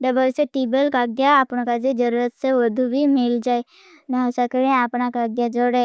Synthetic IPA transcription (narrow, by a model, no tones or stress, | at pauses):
ɖəbəɾseʈiːbəlkaɡ̚d̪jaːpñãkad͡ʒed͡ʒəɾuːɾət̪seʋəd̪ʱubʱimɪld͡ʒaːe | naɦəsakəɾẽaːpnakaɡd̪jad͡ʒoɽe